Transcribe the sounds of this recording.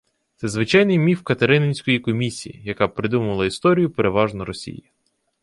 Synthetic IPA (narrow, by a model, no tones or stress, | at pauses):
t̪sɛzʋɪt͡ʃɑjnɪjmʲiwkɐt̪eɾɪnenʲsʲkɔjikɔmʲisʲḭjḭjɐkɑpɾɪd̪umʊʋɐlˠɐist̪ɔɾʲijʊpeɾeʋɑʒnɔɾɔsʲḭji